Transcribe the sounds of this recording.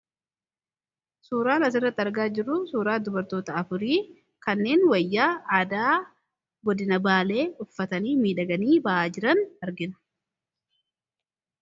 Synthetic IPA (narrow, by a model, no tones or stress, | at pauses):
suːɾaːnɐs̬ɪrːɐt̪ːɪɐɾɡaːd͡ʒɪrʊsuːɾaːd̪ʊbɐɾt̪o̞ːt̪ɐɐfʊɾiː | kɐnːe̞ːnwɐjːaːaːd̪aː | ɡɔd̪ɪnɐbaːle̞ːʊfːɐt̪ɐniːmiːᶑɐɡɐniːbɐʔaːd͡ʒɪɾɐnɐɾɡɪnɐ̥